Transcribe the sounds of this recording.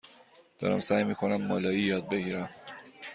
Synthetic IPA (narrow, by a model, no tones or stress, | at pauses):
d̪̥ɒ̰ːɾæ̰msæːjmiːkʰonæmːɒːlɒːjijɒːd̪̚be̞ɡiːɾæm